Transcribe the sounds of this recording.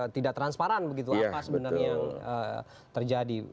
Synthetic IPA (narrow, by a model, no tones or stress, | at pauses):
t̪idaʔt̪ɾanspaɾanbəɡit̪̬uaapasəbənaaŋə̰ | t̪ərd͡ʒadi